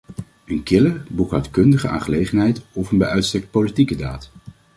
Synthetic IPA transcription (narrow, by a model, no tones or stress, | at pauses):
ənkɪləbukatkɵndəχəʔa̰ːnχəlejχənɦɛjtɔfənbɛjʔœɥtstɛk̚t̚politikədaːt